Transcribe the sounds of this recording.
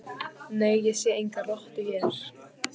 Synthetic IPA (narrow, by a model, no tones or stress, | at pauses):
neːjːɛsjɛejŋkarɔht̪ɪçɛɾ̥